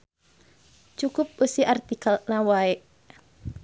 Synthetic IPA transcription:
t͡ʃukʊp̚usiart̪ikalnawaeʔ

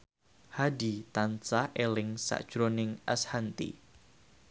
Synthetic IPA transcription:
hadit̪ant͡sahʔelɪŋsa̰ʔd̥ʒ̥ɾonɪŋʔashant̪ḭ

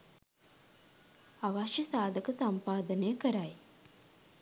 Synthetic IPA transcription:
aʋaʃjəsaːd̪əkəsampaːd̪ənəjəkəɾaj

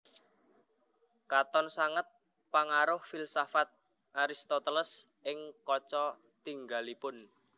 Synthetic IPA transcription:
kat̪ɔnsaŋət̪̚ | paŋaɾʊhfilsafat̪̚ | ʔaɾist̪ɔt̪ələsɪŋkɔt͡ʃɔ | t̪iŋɡalipʊn

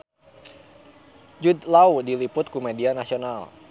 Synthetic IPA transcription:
d͡ʒud̪laudilipʊt̪̚kumɛdianasional

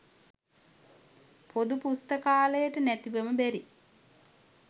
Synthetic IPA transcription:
pʰod̪upust̪əkaːləjəʈənæt̪iʋəməbæɾi

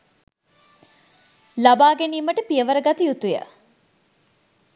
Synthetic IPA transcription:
labaːɡeniːməʈəpiəʋɐɾəɡɐt̪ijut̪ujə̰

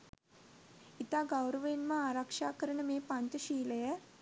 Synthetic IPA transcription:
it̪aɡawɾəʋenməaːɾakʂaːkəɾəɳəmeːpaɲt͡ʃəʃiːləjə

